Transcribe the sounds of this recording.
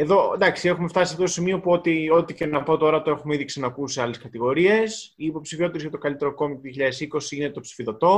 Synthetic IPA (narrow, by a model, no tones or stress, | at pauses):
e̞ðo̞d̪ɐksie̞xume̞ft̪ɐsiɐft̪ot̪osimio̞puo̞t̪io̞t̪ice̞nɐpo̞t̪o̞ɾɐt̪oe̞xumeiðiksinɐkusiɐle̞skɐt̪iɣo̞ɾie̞siːpo̞psifio̞t̪eɾizʝɐt̪o̞kɐlit̪e̞ɾoko̞mit̪oðioçiʎɐðesiko̞siinet̪o̞psi̥fiðo̞t̪o̞